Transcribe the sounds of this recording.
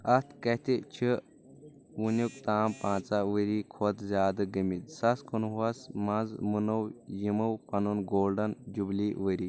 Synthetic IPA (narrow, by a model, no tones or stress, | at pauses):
ɐst̪ʰkɐt̪ʰit͡ʃʰɨ | ʋunukt̪aːmpãːt͡saʋəɾiːkʰot̪zʲjaːd̪ɨɡɐmit̪sɐskunwɐsmɐnzmunɐwjimɐwpɐnunɡoːlɖɐnd͡ʒubliːʋəɾiː